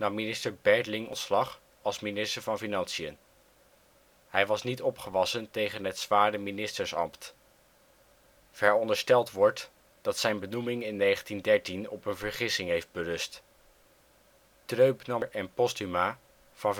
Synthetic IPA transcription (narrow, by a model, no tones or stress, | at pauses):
nɑmːinɪstəɹbɛɹdlɪŋɔnslɑχ | ɑlˠsminɪstəɹvɑnfinɑnsiən | ɦɛjʋɑsnitɔpχəʋɑsəntejχənɦətsʋaːɹdəminɪstəɹsɑ̰mpt | v̥ɛɹɔndəɹstɛlˠtʋɔɹt | d̥ɑtsɛjnbənumɪŋɪnːejχəntindɛɹtinɔ̰pənvəɹχɪsɪŋɦejfd̚bərɵst | trøɥpnɑɹɛnpɔstymaː | v̥ɑn